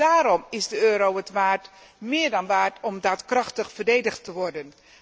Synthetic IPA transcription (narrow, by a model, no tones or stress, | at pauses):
daːɾɔmɪzdəøːɾowətʋaːrt | mɪːɹdɑnʋaːrtɔmdatkrɑχtəχfərdejdəχtəʋɔrdən